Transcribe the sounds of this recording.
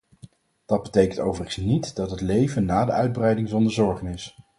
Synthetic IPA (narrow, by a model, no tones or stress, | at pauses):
d̥ɑd̚bətejkəntowvərəəsnitdɑtɦətlejvənːaːdəœɥd̚brɛjdɪŋzɔndəɹzɔɹχənɪs